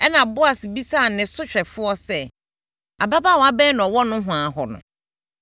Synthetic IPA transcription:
ɛ˦nã˨bʊ˦a˨sbi˦sa˦˨nɪ̃˨sʊ˦ɕᶣɛ˨fʊ˦ɔ˦sɛ˦ | a˨ba˦ba˦˨ɔ̃˨˦a˦bɛ̃˦nʊ̃˨ɔ˨wɔ˦nʊ̃˦ɦʊ̃˨a˨ɦɔ˨nʊ̰̃˨

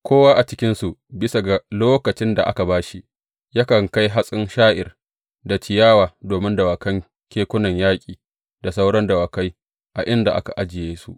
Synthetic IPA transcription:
kʷʰoː˦waː˦ʔa˨t͡ʃɪ˦kʲɪ˦nsu˨bɪ˦sa˨ɡa˨loː˦kɐ˨t͡ʃɪ˦nda˨ʔa̰˦ka˨baː˦ʃi˦ | ja˦kɐ˨ŋka˦jɦa˦sʼɪ˦nʃaː˦ʔɪ̰˨r | da˨t͡ʃɪ˨jaː˦waː˨doː˨mɪ˦ndɐ˨wa˨kɐ˦ŋ | kʲeː˦kʷʊ˦nɐ˨ɲjaː˦kʲʼiː˨ | da˨sa˦wɽɔ˦ndɐ˨wa˨ka˦j | ʔa˨ʔɪ˦nda˨ʔa̰˦ka˨ʔa˦d͡ʒɪ˨jeː˦sṵ˦ʔ

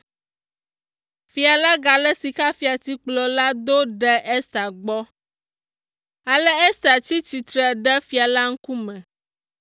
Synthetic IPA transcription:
fi˨a˨la˦ɡa˨lɛ˦si˨ka˦fi˦a˨t̪i˦k͡plɔ˨la˦d̪o˦ɖɛ˦ʔɛ˦st̪a˨ɡ͡bɔ˦ | a˨lɛ˦ɛ˦st̪a˨t͡ɕi˦t͡ɕi˨t̪ɾɛ˨ɖɛ˦fi˦a˨la˦ŋ̩˦ku˦mɛ̃˨

